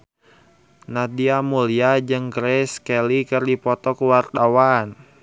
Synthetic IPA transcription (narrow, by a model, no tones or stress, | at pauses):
nadiamuliad͡ʒɨŋɡɾɛskɛlikərdipɔt̪ɔkuwart̪awan